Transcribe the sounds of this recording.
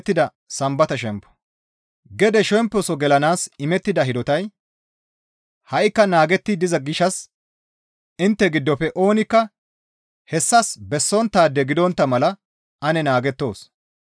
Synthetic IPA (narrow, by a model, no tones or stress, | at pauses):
t̪ːɪd̪ɐ | sɐmbɐt̪ɐʃɛmpːɔ̥ | ɡɛd̪ɛʃɛmpːɔsɔɡɛlɐnaːsɪmɛt̪ːɪd̪ɐɦɪd̪ɔt̪ɐj | hɐʔɪkːɐnaːɡɛt̪ːɪd̪ɪzɐɡɪʃːɐs | ɪnt̪ːɛɡɪd̪ːɔpːɛʔo̞ːnɪkːɐ | hɛsːɐsbɛsːɔnt̪ːaːd̪ːɛɡɪd̪ɔnt̪ːɐmɐlɐ | ɐnɛnaːɡɛt̪ːo̞ːs